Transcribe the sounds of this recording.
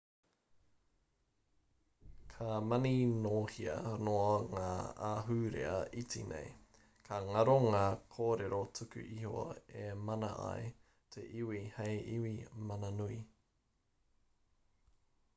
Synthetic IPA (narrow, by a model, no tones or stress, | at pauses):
kʰamɐninoːhiɐ̰noɐŋaːaɦʉɾḛɐʔit͡sḭnḛj | kʰaŋɐɾoŋaːkʰoːɾeɾot͡sʰʉkʉ̰ʔiho̰emɐnɐ̰ʔɐ̰e | tʰeʔiwihejʔiwimɐnɐnui